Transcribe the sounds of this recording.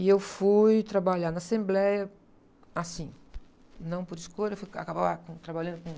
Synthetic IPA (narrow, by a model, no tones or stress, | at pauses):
ɪewfujt̪ɾabaʎaɾnɐasẽmblɛjɐ | asĩ | nɐ̃w̃poɾiskojʎɐewfuja̰kabaakõt̪ɾabalɐ̃nd̪ʊkõ